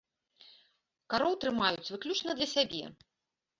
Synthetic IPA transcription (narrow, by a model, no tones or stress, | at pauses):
kaɾɔwt̪ɾɨmajut͡sʲvɨklʲut͡ʂnɐd̪lʲɐsʲabʲɛ̰